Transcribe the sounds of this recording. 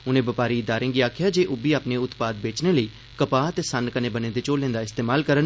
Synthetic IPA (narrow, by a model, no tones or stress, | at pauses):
ʊnẽːbəpaːɾiːɪd̪aːɾẽːŋɡiːaːkʰɪjaːd͡ʒeːʔʊbiːaːpneːʊt̪paːd̪̚beːt͡ʃneːləiː | kəpaːət̪eːsənkənẽːbənẽːd̪eːt͡ʃoːlẽːnd̪aːɪst̪eːmaːlkəɾən